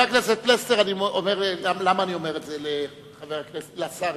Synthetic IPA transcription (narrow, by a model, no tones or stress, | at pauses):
akneset̪̚blesteʁaniomeʁlamlamaːnio̞meʁetzele | χaveʁakneslasaʁ